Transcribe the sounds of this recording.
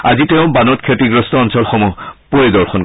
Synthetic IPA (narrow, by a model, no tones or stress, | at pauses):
azitɛʊ̃banɔt̚kʰetiɡɹɔstɔɔnsɔlxɔmupoedɔɹxʰɔn